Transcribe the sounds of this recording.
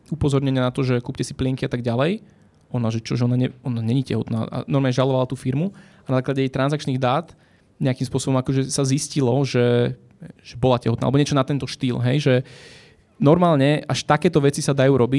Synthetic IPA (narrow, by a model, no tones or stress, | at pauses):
upɔzɔɾɲɛɲɪanat̪ɔʒɛkuːpcɛsiplɪɛŋkiat̪aɡɟalɛj | ɔnaʒɛt͡ʃɔʒɛɔnaɲɛɔnaɲɛɲicɛ̰ɦɔt̪na̰ːʔa̰nɔɾmaːɲɛʒalɔʋalat̪uːfiɾmu | anazaːklaɟɛjɛjt̪ɾanzak̚t͡ʃniːɣd̪aːt̪ | ɲɛakimspʊɔsɔbɔmakɔʒɛsaziscilɔʒɛ | ʒ̥ɛbɔlacɛ̰ɦɔt̪na̰lɛbɔɲɛt͡ʃɔnat̪ɛnt̪ɔʃt̪iːlɦɛjʒɛ | nɔɾmaːlɲɛaʃt̪akɛːt̪ɔʋɛt͡sisad̪ajuːɾɔbi